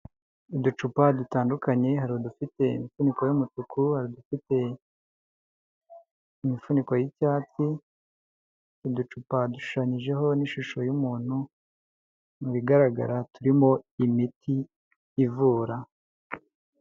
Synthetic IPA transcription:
idut͡ʃupadutaːndukaɲe̞ɦaɾiodufite̞imifuniko̞jomutukʰuhaɾidufite̞ | imifuniko̞jicaːt͡si | idut͡ʃupaduʃu̥ʃaɲiʒe̞ɦo̞niʃuʃo̞jumuːn̥hu | muβiɡaɾaɡa̰ɾatuɾimo̞imitʰiː | vuːɾa

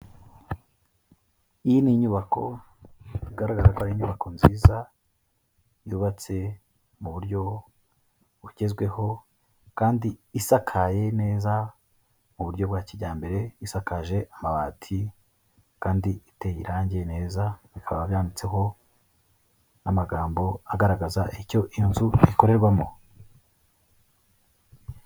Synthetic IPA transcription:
ijiniɲuβakʰo̞ | iɡaɾaɡaɾakoaɾiɲuβakʰo̞nziːza | juːβat͡se̞ | muβuɾɟo̞ | βuɟe̞zɡwe̞ho̞ | kaːndiisakʰaje̞ne̞ːza | muβuɾɟo̞bɡwaːciɟaːmbe̞ɾe̞isakaʒe̞ʔamaβaːtʰi | kaːndiite̞jiɾaːɲɟeene̞ːzaβikʰaβaβaβjaːndit͡se̞ɦo̞ | namaɡaːmbo̞aɡaɾaɡazaʔico̞ʔinzuiko̞ɾe̞ɾɡwamo̰

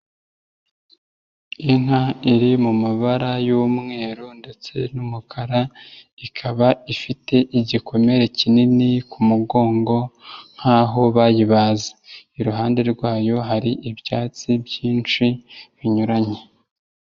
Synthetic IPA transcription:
iŋ̥aiɾimumaβaɾajuːmŋe̞ːɾunde̞t͡se̞numukʰaɾaikʰaβaifite̞ʔiɟikʰo̞me̞ɾe̞cininikumuɡo̞ːŋɡo̞ŋ̥haːɦo̞βajiβaːzaiɾuɦaːnde̞ɾɡwaːjo̞ɦaɾiʔibjaːt͡sibjiːnt͡ʃiβiɲuɾaɲe

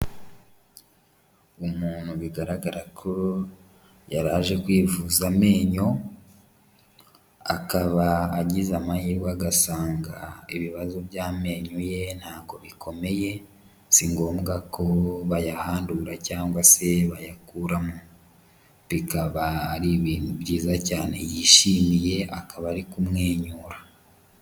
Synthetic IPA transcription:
umuːn̥huβiɡaɾaɡaɾakʰo̞ | jaɾaːʒe̞kwiːvuzame̞ːɲo̞ | akaβaːɟizamajiɾwaɡasaːŋɡaiβiβazoβjaːme̞ːɲuje̞n̥haːβɡo̞βikʰo̞me̞je̞ | siŋɡo̞ːmɡakʰo̞βajahaːnduɾacaːŋɡwase̞βajakuɾamu | pikaβaːɾiβiːnuβɟiːzacaːne̞̰jiːʃiːmije̞akaβaːɾikumŋeːɲuːɾa

